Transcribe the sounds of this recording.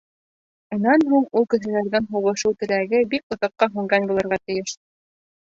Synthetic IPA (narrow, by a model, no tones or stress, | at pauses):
unːɑnɦuɴulˠkɘ̆ʃɘ̆læɾðɘnɦuʁɤ̆ʃɤwt̪ɘ̆ɾæɡɘbik̚ŏðɑqːɑɦʉŋɡænbulˠɤ̆ɾʁɑt̪ɘ̆jɘʃ